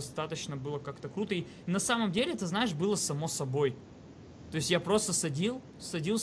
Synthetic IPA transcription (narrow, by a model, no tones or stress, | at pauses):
ɐst̪at̪ət͡ɕnəbɨlˠəkakt̪əkɾut̪əi | nɐsaməmdʲelʲɪɛt̪əznaɪʂbɨlˠəsɐmo̞sɐbo̞j | t̪o̞ɪsʲtʲjapɾo̞st̪əsɐdʲilˠ | sɐdʲilˠ